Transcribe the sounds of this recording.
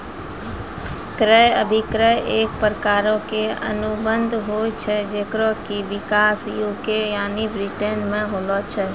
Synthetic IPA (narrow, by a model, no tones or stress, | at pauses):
kɾəjəbʱikɾəjʔek̚pɾəkaɾɔkeə̰nubənd̪ʱɦojt͡ʃʰɛd͡ʒekɾɔkibikasijokejanibɾiʈenmeɦolɔt͡ʃʰɛ